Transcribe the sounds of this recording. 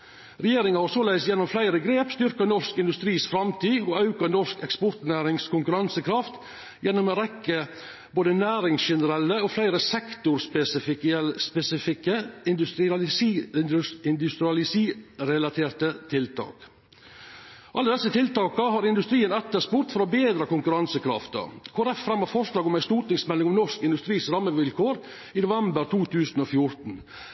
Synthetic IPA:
ɾɛjeːɾɪŋɑhɑɾsoːlæɪst̪jɛnɔmflæɪɾəɡɾeːpst̪ʏɾkənɔskɪnd̪ʉst̪ɾiːsfɾɑmt̪ʰiːoɑʉkɑnɔʂkɛkspʊɾt̪næːɾɪŋskʰʊŋkʉɾɑnsəkʰɾɑft̪ | jɛnːɔmoːɾɛkːə | boːd̪ənæːɾɪŋsʃɛnəɾɛlːəoːflæɪɾəsɛkt̪ʊɾspɛsɪfɪkspɛsɪfɪkːəɪnd̪ʉst̪ɾɪɑs | ɪnd̪ʉst̪ɾɪɑlɪsiːɾɛlɑt̪ʰeːɾʈət̪ʰɪlt̪ʰɑ̰ːk | ʔɑlːəd̪ɛsːət̪ʰɪlt̪ɑːkəɦɑːɾɪnd̪ʉst̪ɾiːənɛt̪ːəʂpʊɾt̪fɔɾɔbeːd̪ɾəkʊŋkʉɾɑnsəkʰɾɑ̰ft̪ə̰kʰʊːɾɛfːɾɑmhɑɾfɔʂlɑːɡɔmæɪst̪uːʈnɪŋsmɛlːɪŋɔmnɔʂkɪnd̪ʉst̪ɾiːsɾɑmːəʋɪlkʰoːɾ | inʊʋɛmbəɾt̪ʰuːt̪ʰʉːsn̩ofjʊɾt̪n̩

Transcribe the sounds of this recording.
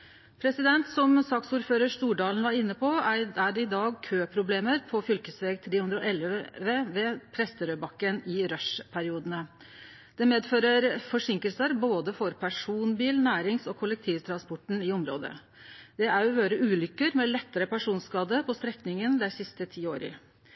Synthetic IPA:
pʰɾɛsɪd̪ɛnt̪sɔmsɑːksuːɾføːɾəʂt̪uːɖɑːln̩ʋɑɾɪnːəpʰɔææɖɛɪd̪ɑːɡkʰøːpʰɾʊbleːməɾpʰɔfʏlkəsʋeːɡt̪ʰɾeːhʉnd̪ɾɔʔɛlʋəʋɛpʰɾɛst̪əɾøːbɑkːənɪɾœʂpʰæɾɪuːd̪ənə | d̪̥ɛmeːd̪føːɾəɾfɔʂɪŋkəlsəɾboːd̪əfɔɾpʰæʂuːnbiːlnæːɾɪŋsɔkʰʊlːək̚t̪ʰiːʋt̪ʰɾɑnspɔʈɳ̩ɪɔmɾo̰ːd̪ə̰ | d̪̥ɛæɾɔʋøːɾəʉːlʏkːəɾmɛlɛt̪ːəɾəpæʂuːnskɑːd̪əpʰɔst̪ɾɛknɪŋənd̪ɛɪsɪst̪ət̪ʰiːo̰ːɾə̰

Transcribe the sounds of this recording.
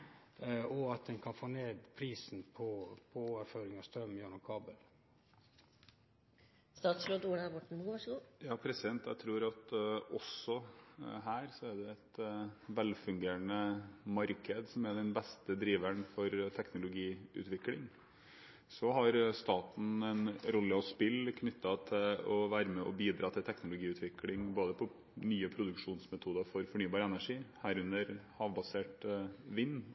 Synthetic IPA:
ɔɑt̪̚d̪ɛnkʰɑnfoːneːd̪pʰɾiːsn̩pʰɔpʰɔoːʋəɾføːɾɪŋɑst̪ɾœmːjɑːnɔkʰɑːbəl | st̪ɑːt̪slod̪uːɽbɔʈːɳnuːʋɑʂəɡuːjɑːpʰɾɛsɪd̪ɛnt̪jæɪt̪ʰɾuːɾɑt̪ɔsɔɦæːɾsɔæɖ̪ɛɛt̪ʋɛlfʉŋɡeːɾɳnəmɑɾkəd̪sɔmɛd̪ɛnbɛst̪əd̪ɾiːʋæɳfɔɾt̪ʰɛknʊlʊɡiːʉ̰t̪ʋɪklɪŋ | sɔɦɑɾst̪ɑːt̪n̩ɛnɾɔlːəɔspɪlkʰnʏt̪ʰːɑt̪ʰɪlɔʋæːɾəmɛʔɔ̰biːd̪ɾɑːt̪ʰɪlt̪ʰɛknʊlʊɡiːʉːt̪ʰʋɪklɪŋboːd̪əpʰɔ | nyːəpʰɾʊd̪ʉkʂuːnsmɛt̪ʰuːd̪əɾfɔɾfɔɳyːbɑːɾɛnæʂiːhæːɾʉnːəɾhɑːʋbɑseːʈʋɪnː

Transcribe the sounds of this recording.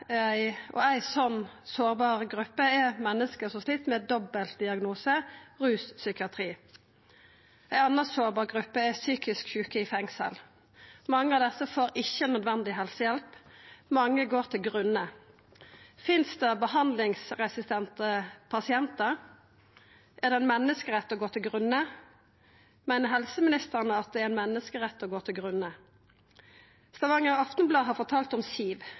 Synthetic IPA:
æɪʔɔ̰æɪsɔnːsoːʁbɑːʁəɡʁʉpːəɛmɛnːəskəsɔsliːt̪mɛd̪ɔbəlt̪̚d̪ɪɑɡnuːsəʁʉːssʏkɪɑt̪ʰʁiː | æɪɑnəsoːʁbɑːʁɡʁʉpːəɛsyːkɪskçʉːkəɪfɛŋsə̰l | mɑŋːəɑʋd̪ɛsːəfoːɾɪçːənœd̪ʋɛnd̪ɪɦɛlsəjɛlpmɑŋːəɡoːʁt̪ʰɪlɡʁʉnə | fɪnsd̪ɛbəhɑnd̪lɪŋsʁɛsɪst̪ʰɛnt̪əpʰɑsɪɛnt̪əɾ | ʔæʁd̪ɛnmɛnːəskəʁɛt̪ːɔːɡoːt̪ʰɪlɡʁʉnːə | mæɪnəhɛlsəmɪnɪst̪əʁnəɑt̪̚d̪ɛɾɛnmɛnːəskəʁɛt̪ːoːɡoːt̪ʰɪlɡʁʉnə | st̪ɑʋɑŋəʁɑft̪ənblɑːɦɑfɔt̪ʰɑːlt̪ɔmsiːʋ

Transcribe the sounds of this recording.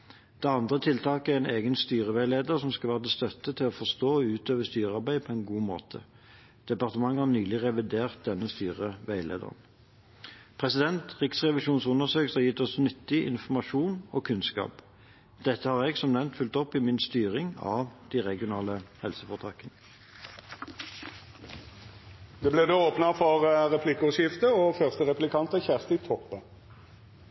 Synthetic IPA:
d̪̥ɛɑnd̪ʁət̪ʰɪlt̪ʰɑːkəæɛneːɡənst̪yːʁəʋæɪleːd̪əʁsɔmskɑʋæːʁəd̪ɛst̪œt̪ːət̪ʰɪlɔfɔʁst̪oːɔʉːt̪øːʋəst̪yːʁəɑʁbæɪpʰɔɛnɡuːmo̰ːt̪ʰə̰ | d̪̥ɛpɑʁt̪əmɑŋːhɑʁnyːlɪʁɛʋɪd̪eːʁt̪̚d̪ɛnːəst̪yːʁəʋæɪlḛːd̪ə̰ʁn̩ | pʰʁɛsɪd̪ɛnt̪ʁɪksʁɛʋɪʃuːnsʊnəsøːksɑjɪt̪ːɔsnʏt̪ːɪʔɪ̰nfɔmɑʂuːnoːkʰʉnskɑ̰ːp | d̪̥ɛt̪ːəhɑːʁɛːɡsɔmnɛnnt̪fʏlt̪ɔpimɪnst̪yːʁɪŋɑ̰ːʋd̪̥iːʁɛɡɪʊnɑːləhɛlsəfɔʁt̪ʰɑːkənə | d̪eːbleːd̪eːoːpnəfɔʁʁɛpʰlɪkːʊʃjɪft̪əoːfœʁst̪əʁɛplɪkʰɑnt̪əçæʁst̪ɪt̪ʰɔpːə

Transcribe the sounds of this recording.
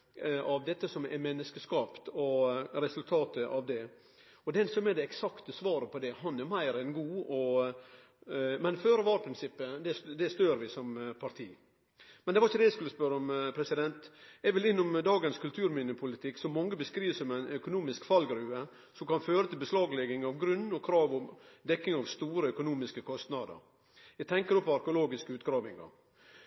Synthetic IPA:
ɑʋd̪ɛt̪ːəsɔmɛ̰mɛnːəskəskɑːpt̪ɔɾɛsʉlt̪ʰɑːt̪əʔɑʋd̪ɛ | ɔd̪ɛnsɔmɛd̪ɛɛksɑkt̪əsʋɑːɾəpʰɔd̪ɛɦɑnɛɾmæɪɾɛnɡuːɔ | mɛnføːɾəʋɑːɾpʰɾɪnsɪpːəd̪ɛd̪ɛst̪øːɾʋɪsɔmpʰɑɾt̪ʰḭː | mɛnd̪ɛʋɑɾɪçəd̪ɛæɪskʉlːəspœɾːəɔmpʰɾɛsɪd̪ɛnt̪jɛɡʋɪlɪnːʊmd̪ɑːɡənskʰʉlt̪ʰʉːɾmiːnəpʰʊlɪt̪ʰɪksɔmːɔŋːəbəskɾiːʋsɔmæɪnœkʊnuːmɪskfɑlɡɾʉːə | sɔmkɑnføːɾət̪ʰɪlbəslɑːɡlɛɡɪŋɑʋɡɾʉnːɔkʰɾɑːʋɔmd̪ɛkːɪŋɑʋst̪uːɾəœkʊnuːmɪskəkʰɔst̪nɑd̪ə̰ɾ | jɛɡt̪ʰɛŋkəɾɔpːɔɑɾkəʊloːɡɪskəʉːt̪ɡɾɑːʋɪŋɑ̰ɾ

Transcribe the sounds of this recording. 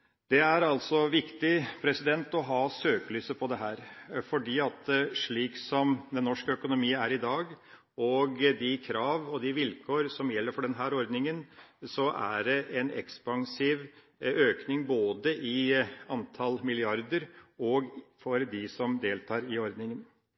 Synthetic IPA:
d̪ɛæɾɑlsɔʋɪkt̪ɪpʰɾɛsɪd̪ɛnt̪ɔɦɑːsøːkəlysəpʰɔd̪ɛɦæːɾfɔɖiːɑt̪ʂɭiːksɔmd̪ɛnːɔʂkəœkʊnʊmiːənæɾɪd̪ɑːɡ | ɔɡd̪ɪkʰɾɑːʋɔd̪ɪʋɪlkʰoːɾsɔmjɛlːəɾfɔɖɛnɦæːɾɔɾd̪nɪŋənsɔʔæ̰ɖɛʔɛnɛ̰kspɑŋsiːʋ | øːknɪŋboːd̪əʔɪɑnt̪ʰɑlmɪlɪɑɾd̪əɾɔɡfɔɾd̪ɪsɔmd̪eːlt̪ʰɑːɾɪɔɾd̪nɪŋən

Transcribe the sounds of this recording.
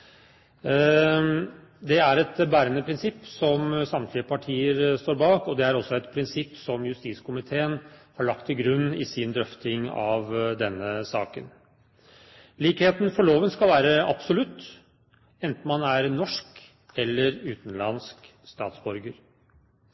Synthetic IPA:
d̪ɛæɾɛt̪bæːɾənəpʰɾɪnsɪpːsɔmsɑmt̪ʰlɪəpʰɑʈʰiːəɾst̪oːɾbɑːkɔd̪ɛæɾɔsːɔɛt̪pʰɾɪnsɪpːsɔmjʉst̪iːskʊmɪt̪ʰeːənhɑɭɑk̚t̪ʰːɪlɡɾʉnːɪsɪnd̪ɾœft̪ɪŋɑʋd̪ɛnːəsɑːkə̰n | liːkheːt̪n̩fɔɭoːʋənskɑlʋæːɾəɑ̰b̥sʊlʉt̪ː | ɛnt̪n̩mɑnæɾnɔʂk | ɛlːəɾʉːt̪n̩lɑ̰nsk | st̪ɑ̰ːt̪sbɔɾɡəɾ

